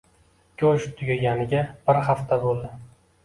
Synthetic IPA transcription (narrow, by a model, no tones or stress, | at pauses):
kʰʲoʃt̪ʰʊɡʲaɡʲanɪɡʲab̥ɪɾhaft̪ʰabolˠd̪ɪ